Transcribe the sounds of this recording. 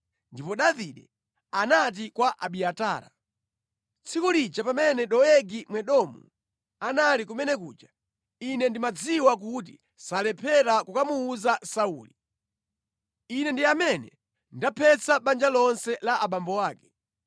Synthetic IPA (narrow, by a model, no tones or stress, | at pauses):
ndipɔɗaviɗɛ | anat̬ikwaʔaɓiataːɾa̰ | t͡sʰikulit͡ʃapamɛnɛɗɔɛɡimwɛɗɔmṵ | analikumɛnɛkṵːd͡ʒa | inɛndimad͡ziwak̬uti | salɛpʰɛɾakukamuːzasauːli | inɛndiamɛnɛ̰ | ndapʰɛt͡saɓand͡ʒalɔnsɛlaʔaɓambɔwaːkɛ̥